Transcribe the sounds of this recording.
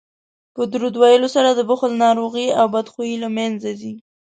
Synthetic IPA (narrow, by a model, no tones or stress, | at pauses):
pəd̪ɾud̪wajəlosaɾad̪əbʊxlnɑɾoɣiawbad̪xujilamanzad̪i